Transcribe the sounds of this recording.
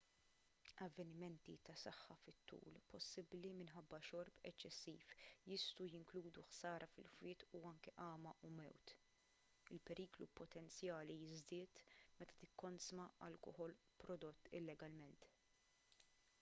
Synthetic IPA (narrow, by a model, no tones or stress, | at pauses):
ɐvːɛnɪmɛnt̪it̪ɐsɐħːɐfɪt̪ːṵːlpɔsːɪblimɪnħɐbːɐʃɔɾpɛ̰t͡ʃːɛsːiːfjɪst̪ujɪŋkluːd̪uħsɐːɾɐfɪ̰lfwɪːt̪uɐŋkɛʔɐːmɐʔumɛ̰wt̪ | ɪlpɛɾiːklupɔt̪ɛnt͡sjɐːlijɪzd̪ɪːt̪mɛt̪ɐ̥t̪ɪkːɔnsmɐɐlkɔhɔl | pɾɔd̪ɔt̪ːɪ̰lːɛɡɐlmɛnt̪